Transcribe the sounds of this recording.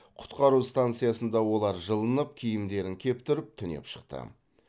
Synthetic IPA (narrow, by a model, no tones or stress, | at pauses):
qʰʊ̥t̪qɑɾust̪ant̪sɨjasənd̪ɑwo̞lˠɑɾʒəlˠənəp̚kʲʰijɪmd̪e̞ɾɪŋkʲʰe̞pt̪ʏɾɪp̚t̪ʰʏne̞̰pʃə̥qt̪ə̰